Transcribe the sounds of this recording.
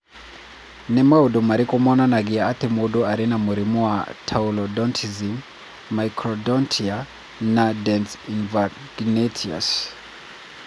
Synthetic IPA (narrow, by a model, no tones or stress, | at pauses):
nɛmaudumaɾikɔmɔnanaɡiaatɛmodoaɾinamuɾimuwatʰaulɔdɔntʰizim | maikʰɾɔdɔntʰia | nadɛnsinva | ɡnɛtʰia̰s